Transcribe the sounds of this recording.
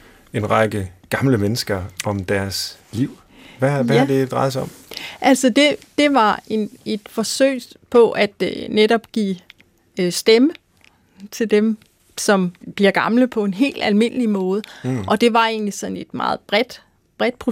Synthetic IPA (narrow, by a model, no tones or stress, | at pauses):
e̝nʁɑ̈ɡ̥əɡ̥ɑ̈mləmenəsɡ̥ɐɒ̽md̥æɐsliʊ̰ | ʋæʋæhɑd̥e̝d̥ɑ̈ɪð̩ˠsaɒ̽mʔælsɒd̥e̝d̥e̝ʋɑ̈e̝ne̝d̥fɒ̽sø̰ɪ̰pʰɒ̽ʔæd̥neɾɒ̽b̥̚ɡ̥ḭː | sd̥emə | t͡sʰe̝ld̥em | sɒ̽mb̥liɐɡ̥ɑ̈mləpʰɒ̽e̝nɦe̝̰ːld̥ælme̝n̰əlimɔ̽ːð̞ˠəʔɒ̽d̥e̝ʋɑ̈e̝̰ːnlisɒ̽ne̝d̥mɑ̰̈ːð̩ˠb̥ʁɛd̥ | b̥ʁɛd̥̚pʰʁo